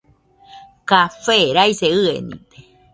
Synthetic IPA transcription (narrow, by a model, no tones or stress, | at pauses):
kafeɾajseɨḛnḭ̃t̪e̥